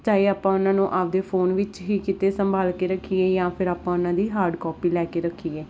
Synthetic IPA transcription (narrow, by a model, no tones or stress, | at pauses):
t͡ʃaːiːaːpãːʊnãːnũːʔaːp̚d̪eːpʰoːnʋɪt͡ʃɦiːkɪt̪eːsəmbʱaːlkeːɾəkʰːiːɛːjãːpʰɪɾaːpãːʊnãːd̪iːɦaːɾɖkɔːpiːlɛːkeːɾəkʰːiːɛː